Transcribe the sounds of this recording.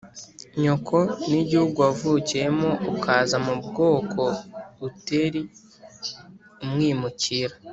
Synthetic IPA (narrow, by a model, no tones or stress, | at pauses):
ɲokʰo̞niɟihuɡuavucije̞moʔukʰaːzamubɡo̞ːkʰo̞ɾuteɾi | umŋiːmuciɾa